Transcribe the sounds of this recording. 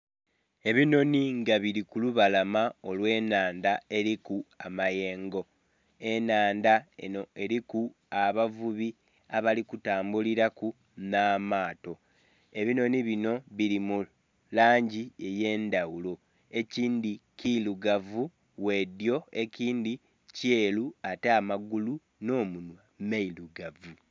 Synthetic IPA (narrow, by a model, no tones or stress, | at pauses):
e̞βino̞niŋɡaβiɾikuluβalamao̞lwe̞ːnaːndae̞ɾikuamaje̞ːŋɡo̞ | e̞naːndaeoe̞ɾiku | aβavuβi | aβalikutaːmbuliɾaku | naːmaːto̞ | e̞βino̞niβino̞βiɾimu | laːɲɟie̞je̞ːndawulo̞ | e̞ciːndikiluɡavu | we̞djo̞e̞ciːndi | ceːluateamaɡulu | no̞ːmunwamailuɡavu